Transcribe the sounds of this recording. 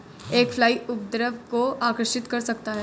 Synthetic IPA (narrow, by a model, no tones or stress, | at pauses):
eːkfʰlaːiʊpd̪ɾəʋkoaːkəɾʃɪt̪kɐɾsɐk̚t̪aɦɛː